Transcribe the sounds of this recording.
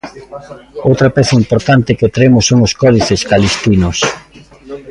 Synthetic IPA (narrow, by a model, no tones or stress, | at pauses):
owt̪ɾɐpɛθɐimpoɾt̪ant̪ɪkɪt̪ɾemʊsːoŋʊskɔðiθeskalist̪inʊs